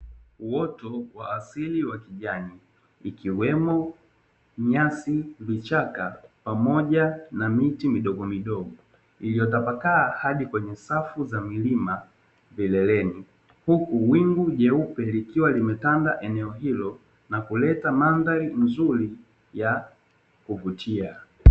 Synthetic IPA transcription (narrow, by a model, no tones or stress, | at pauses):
uwɔtɔwaːsiliwakiʄaniː | kiwɛmɔ | ɲasivit͡ʃakapamɔʄanamitimiɗɔɡɔmiɗɔɡɔ | ilijɔtapakaːhaɗikwɛɲɛsafuzamilima | vilɛlɛni | hukuwiŋɡuʄɛupɛlikiwalimɛtandaʔɛnɛɔɦilɔ | nakulɛtamandaɾinzuɾi | ja | kuvutʰia